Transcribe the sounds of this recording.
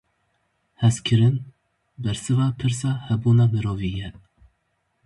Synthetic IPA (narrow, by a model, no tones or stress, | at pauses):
hɛskʰɨɾɨn | bɛɾsɨvɑːpʰɨɾsɑːhɛbuːnɑːmɨɾoːviːjɛ